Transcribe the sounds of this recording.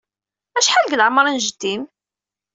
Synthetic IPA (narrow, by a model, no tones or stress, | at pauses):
æʃħalɡlʕmːəɾˤənʒəd̪ːim